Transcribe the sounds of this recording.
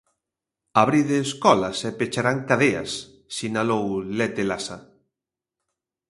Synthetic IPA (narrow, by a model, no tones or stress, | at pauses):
aβɾiðeːskɔlasɛpet͡ʃaɾaŋkaðea̰sː | inalowlet̪elasa